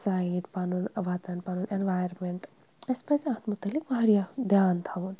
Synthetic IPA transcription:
saiʈpanunɐʋat̪ɐnpanunʔenʋajəɾmeɳʈ | ɐspɐsat̪mut̪ɐlːikbɐɾijad̪ʱjaːnt̪ʰaun

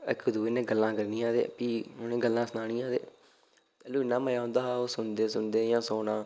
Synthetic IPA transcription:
ɪ̰kʊd̪uːeːnẽːɡəlːãːkəɾniːãːd̪ḛːpiːnẽːɡəlːãːsənaːɽ̃iːãːd̪ḛː | pɛːluːɪnːãːməjaːɦõːnd̪aːaːoːsʊnd̪eːsʊnd̪eːjãːsoːnãː

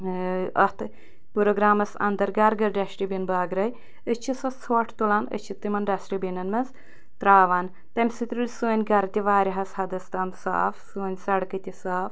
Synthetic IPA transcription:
ɐht̪ʰ | puɾoɡɾaːmɐsɐ̰nd̪ɐɾɡɐɾɡɐɾɖɐʃʈibinbaːɡɾɐj | ɨt͡ʃʰisɐt͡sʰoːʈʰt̪ulaːnə̰t͡ʃʰit̪imɐnɖɐsʈibʲinɐnmɐnz | t̪ɾaːʋaːn | t̪ɐmʲsɨt̪ɾulʲsuːnʲɡɐɾɐt̪ʲiʋaːɾiɦɐshɐd̪ɐst̪ɐːmsa̰ːfsuːnʲsɐɽkɨt̪ʲisaːf

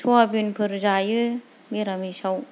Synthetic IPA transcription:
sʰɔabinpʰɯɾzajɯ | beɾamisaw

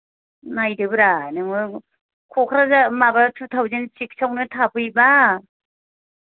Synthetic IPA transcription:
najdɯbɯɾanɯŋɯ | kʰɔkʰɾazamabatʰutʰawzensik̚sawnɯtʰapʰɯjba

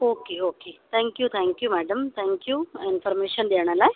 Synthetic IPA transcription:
okeoket̪ʰɛ̃ŋkjuːt̪ʰɛ̃ŋkjuːmæɖəmt̪ʰɛ̃ŋkjuːinfəɾmeɕənd̪eʋɳ̃alae

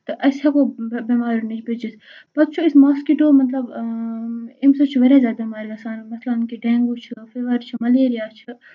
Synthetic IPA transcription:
t̪ɨʔɐsɐkobimaːɾunit͡ʃʰbed͡ʒis | pɐt̪t͡ʃʰuismaːskiʈoːmɐt̪lɐb | imsɐt͡ʃʰiʋɐɾezaːd̪amaːɾiɡɐsaːnmɐt̪lɐnnkiɖɛːŋɡut͡ʃʰifeʋɐɾt͡ʃʰimɐleːɾijaːt͡ʃʰi

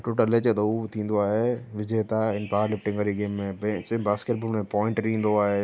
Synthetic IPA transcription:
ʈoːʈəleːt͡ɕət̪ɐut̪ʰĩːn̆d̪oaːɦeʋɪd͡ʑeːt̪aɪnpaːɾlɪfʈɪ̃ŋɡʋɐɾiɡeːmːẽbẽt͡ɕbaːskeʈ̚boːlmẽpɔ̃ːɪ̃ɳʈɾĩːn̆d̪oaːɦeː

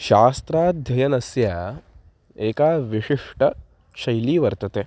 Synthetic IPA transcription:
ʃaːst̪ɾaːd̪ʱjɐjɐnɐsjaː | eːkaːʋiʂiʂʈʰɐ | ʃɐjliːʋɐɾt̪ɐt̪eː

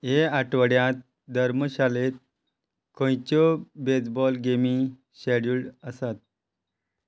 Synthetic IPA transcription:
ɦeaʈʋəɽjãt̪̚ | d̪ʱəɾməɕalet̪̚ | kõjt͡ɕɔbed͡zbɔlɡemi | ɕeɽulɖəsat̪̚

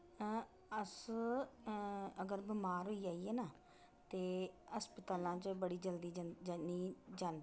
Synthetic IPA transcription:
əs | əɡəɾbɪmaːɾɦoːiːaːiːɛːnaː | t̪eːəspət̪aːlãːt͡ʃbəɽiːd͡ʒəld̪iːiːd͡ʒãːnd̪iː

